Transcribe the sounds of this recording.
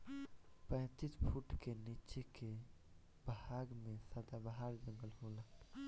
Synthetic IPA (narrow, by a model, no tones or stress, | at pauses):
pə̃ːt͡ʃispʰuʈkenit͡ʃeke | bɦaɡmẽsəd̪abaɦaɾd͡ʒə̃ŋɡəlɦola